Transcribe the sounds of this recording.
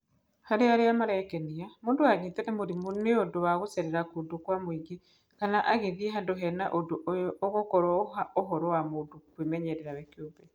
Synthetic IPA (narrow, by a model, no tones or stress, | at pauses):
haɾeaɾeamaɾɛkɛniamoːndoaɣitɛnɛmoɾimoneondowaɣosɛɾɛɾakudokwamwiŋɡe | kanaʔaɣeðiɛɦandoɦɛnaʔodoʔojɔoɣokɔɾwɔoɦɔɾɔwamodokwemɛɲɛɾɛɾawɛkjobɛ